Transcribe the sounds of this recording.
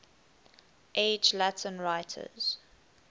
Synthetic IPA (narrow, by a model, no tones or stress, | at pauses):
ʔeɪd͡ʒlatʰə̃nɹaɪtʰə̰z̥